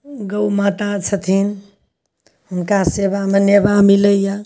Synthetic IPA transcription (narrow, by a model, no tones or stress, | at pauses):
ɡəwmat̪at͡ʃʰət̪ʰin | hunkasebamenebamiləja